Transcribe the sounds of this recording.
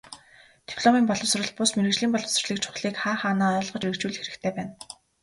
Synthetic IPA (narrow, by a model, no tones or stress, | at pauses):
t̪ʲi̥pʰɮɔmiːmpɔɮɞ̆wsʊ̆rə̆ɮ̚pʊsmeɾɘ̆kt͡ɕɮiːmpɔɮɞ̆wsʊ̥̆rɮiːk̚t͡ɕʰʊ̥χɮiːkχaːχaːnaːœːɮʁɞ̆t͡ɕeɾɘ̆kt͡ɕuːɮ̆xeɾɘ̆kt̪ʰeːpæːn